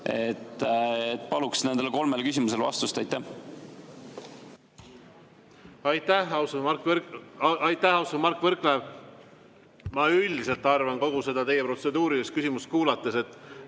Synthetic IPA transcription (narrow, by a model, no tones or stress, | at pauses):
e̞t̪ːet̪ːˑpɑluksne̞nd̪̥elko̞lme̞lkys̬ʲimuse̞lvɑ̰st̪ust̪ɑjt̪ːæh | ɑjt̪ːæhɑwsɑk | ɑjt̪ːˑæhɑwsomɑrkːˑvɤrkleːv | mɑyld̪iselt̪ːˑɑrvɑnko̞ɡ̥use̞d̪ɑt̪e̞jːepro̞t̪se̞d̪uːɾid̪est̪kysimus̚kuːlɑt̪ˑːese̞t̪ːˑ